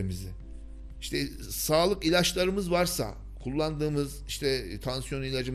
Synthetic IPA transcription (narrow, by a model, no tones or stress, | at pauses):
mizɪ | iʃt̪ʰɛ | saːlˠɯkilʲat͡ʃlˠaɾɯmɯzvaɾsa̰ | kʰulˠːand̪ɯːmɯziʃt̪ʰɛt̪ʰansjo̞nilʲad͡ʒɯm